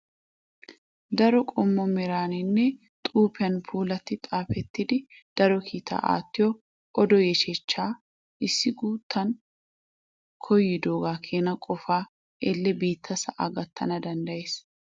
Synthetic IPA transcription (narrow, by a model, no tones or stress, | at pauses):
d̪ɐɾɔkʼɔmːɔmɛɾaːnɪnːɛ | t̪ʼuːpɪɐnfuːlɐt̪ːɪt̪ʼaːfɛt̪ːɪd̪ɪ | d̪̥ɐɾɔkʰiːt̪ʰa̰ːʔa̰ːt̪ːɪjɔ | ʔɔd̪ɔjɛʃɛt͡ʃːaː | ʔɪsːɪɡuːt̪ʰːɐn | kʰɔjːɪd̪oːɡaːkʰeːnɐkʼɔfaː | ʔɛlːɛbiːt̪ʰːɐsɐʔa̰ɡɐt̪ːɐnɐd̪ɐnd̪ɐjeːs